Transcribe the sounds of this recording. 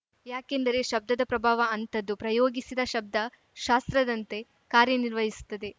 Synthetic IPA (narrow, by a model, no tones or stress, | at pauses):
jaːkend̪ɐɾe̞ʃɐb̚d̪ɐd̪ɐpɾɐbʱaːʋɐɐnt̪ɐd̪ːupɾɐjoːɡisid̪ɐʃɐb̚d̪ʱɐ | ʃaːst̪ɾɐd̪ɐnt̪e̞ | kaːɾjɐniɾʋɐɦisu̥t̪ːɐd̪e̞